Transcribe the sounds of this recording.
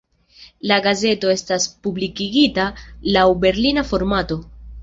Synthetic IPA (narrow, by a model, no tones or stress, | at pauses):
laɡaze̞to̞e̞staspublikiɡitalawbe̞ɾlinafo̞ɾmato̞